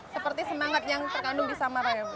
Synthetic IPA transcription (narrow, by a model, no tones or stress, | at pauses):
səpərt̪isəmaŋat̪̚jaŋt̪ərkandʊŋdisamaɾa